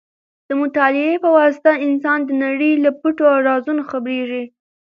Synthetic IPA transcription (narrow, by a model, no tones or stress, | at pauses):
d̪̥əmʊt̪ɑlɪepəwɑsɪ̥t̪aɪnsɑnd̪ənaɽəjlapuʈoaɾɑzunoxabɾeʐi